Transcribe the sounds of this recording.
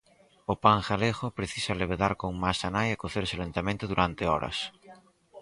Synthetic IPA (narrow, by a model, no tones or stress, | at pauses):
opaŋxaleɣʊpɾeθisaleβ̞eðaɾkoŋmasanajakoθeɾseolent̪amẽnt̪ʊðuɾʔant̪eɔ̰ɾɐ̰s